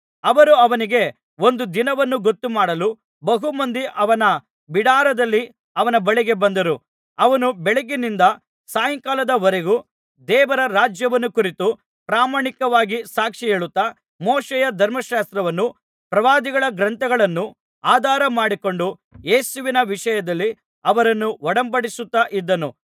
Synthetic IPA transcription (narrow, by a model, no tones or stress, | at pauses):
ɐʋɐɾuɐʋɐniɡe̞ | o̞nd̪ud̪inɐʋɐnːuɡot̪ːumaːɽɐlu | bɐɦumɐnd̪iʔɐʋɐnɐ | biɽaːɾɐd̪ɐlːi | ɐʋɐnɐbɐɭiɡe̞bɐnd̪ɐɾu | ɐʋɐnubɛɭeɡinind̪ɐ | saːjɐŋkaːlɐd̪ɐɔɾeɡu | d̪ɛːʋɐɾɐɾaːd͡ʒjɐʋɐnːukuɾit̪u | pɾaːmaːɳikɐʋaːɡisaːkʂieːɭut̪ːa | mɔːʃejɐd̪ʱɐɾmɐʃaːst̪ɾɐʋɐnːu | pɾɐʋaːd̪iɡɐɭɐɡɾɐnt̪ɐɡɐɭɐnːu | aːd̪ʱaːɾɐmaːɽiko̞ɳɖu | jeːsuʋinɐʋiʂɐjɐd̪ɐlːi | ɐʋɐɾɐnːuʋɔɽɐmbɐɽisut̪ːaʔid̪ːɐnu